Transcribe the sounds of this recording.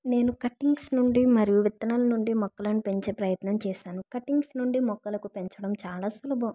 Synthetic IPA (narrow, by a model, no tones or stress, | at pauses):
ne̞ːnukɐʈːiŋɡsnuɳɖimɐɾijuʋit̪ːɐnɐlɐnuɳɖimɔkːɐlɐnipe̞ɲt͡ʃe̞ːpɾɐjɐt̪nɐmt͡ʃɛːʃaːnukɐʈiŋɡsnuɳɖimɔkːɐlɐkupe̞ɲt͡ʃɐɽɐmt͡ʃaːlaːsulɐbɐ